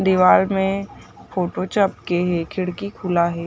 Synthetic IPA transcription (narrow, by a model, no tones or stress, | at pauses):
d̪ɪʋaːlmẽpʰoːʈot͡ʃəp̚keɦɛkʰɪɽkikʰʊlaɦɛː